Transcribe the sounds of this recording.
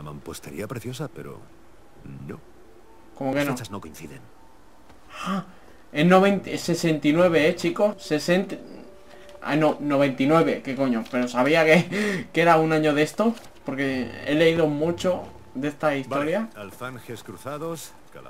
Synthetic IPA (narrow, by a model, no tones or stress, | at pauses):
ama̰mpwost̪ḛɾḭapɾeθjosapḛɾo̰ | no | ko̞mokenot͡ʃaznokoinθiðen | a | enːoβent̪se̞se̞nt̪inwe̞β̞e̞et͡ʃiko̞sesent̪ | ḛnono̞β̞e̞nt̪inwe̞βe̞keko̞ɲope̞ɾo̞saβiakeke̞ɾaunãɲo̞ðe̞st̪o̞ | po̞ɾke̞ḛle̞iðo̞mut͡ʃo̞ | ðe̞st̪aist̪o̞ɾjaalθaŋxeskɾuθaðos